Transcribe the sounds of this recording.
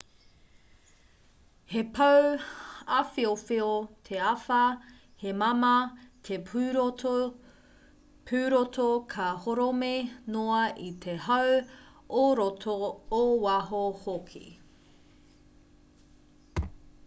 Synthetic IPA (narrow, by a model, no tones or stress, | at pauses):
hepʰɐw | afiofiot̪ʰeɐfɐ | hemɐmɐt̪ʰepːɾ | pʰʉːɾot̪ʰokʰɐhoɾomenoɐʔit̪ʰehɐw | oɾot̪ʰoːwɐɦohokʰḭ